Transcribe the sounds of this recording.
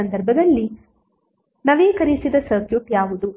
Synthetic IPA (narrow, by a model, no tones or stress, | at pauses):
ɐnd̪ɐɾbʱɐd̪ɐlːi | nɐʋeːkɐɾisid̪ɐsɐːkʰjut̪jaːʋud̪u